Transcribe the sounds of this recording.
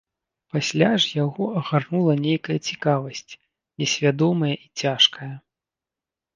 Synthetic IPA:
pasʲlʲaʐjaɣɔɐɣarnulˠɐnʲejkɐjɐt͡sʲikavɐsʲt͡sʲ | nʲɛsʲvʲad̪ɔmɐjɐʔit͡sʲaʂkɐjɐ

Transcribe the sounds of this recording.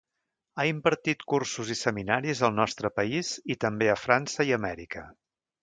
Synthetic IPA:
aimbəɾt̪it̪kursuzisəminaɾizəlˠnɔst̪ɾəpəizit̪əmbeəfɾansəiəmɛɾikə

